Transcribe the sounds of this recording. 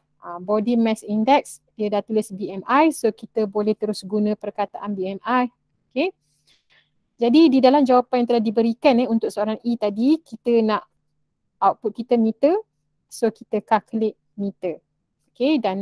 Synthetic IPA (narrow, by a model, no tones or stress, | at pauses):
ʔabodimɛ̃sindɛksdiədat̪ulɪsbiɛmajsokit̪əbolɛht̪əɾʊsɡunə̃pərkat̪aʔanbiɛmʔaj | oke | d͡ʒadididalamd͡ʒawapanjaŋt̪əlahdibəɾikanəunt̪ʊk̚səoɾaŋʔit̪adikit̪ənaʔ | auʔpʊt̪̚kit̪əmĩt̪ə | sokit̪əkaklɪʔ | mĩt̪ə | okedan